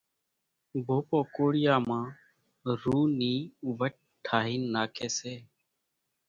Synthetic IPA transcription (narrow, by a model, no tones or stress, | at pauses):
bʱoːpoːkoːɽɪjaːmãː | ɾuːniːʋəʈ̚ | ʈʰaːɦiːnːaːkʰeːseː